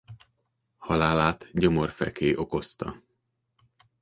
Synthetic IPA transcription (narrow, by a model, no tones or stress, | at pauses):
hɒlaːlaːt̪ɟo̞mo̞rfɛ̰keːʔo̞ko̞st̪ɒ̰